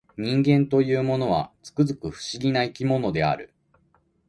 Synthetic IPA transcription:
ɲ̟ĩŋɡẽ̞nt̪o̞jɯːmo̞no̞β̞a̰t͡sɨ̥kɯzɨkɯ̟ɸɯ̟̥ɕiɡʲinaikʲimo̞no̞d̪e̞a̰ɾɯ̟̰

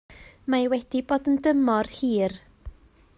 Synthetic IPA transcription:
majwɛd̥iboːdəndəmɔrhiːr

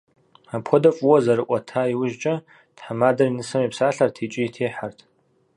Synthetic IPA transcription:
apʰodafʼwɔzarɨʔʷʼatʰaiwʊʒt͡ʃʼa | d̥ħamadarinɨsɨmipʰsaɬartʰit͡ʃʼɪitʰejħartʰ

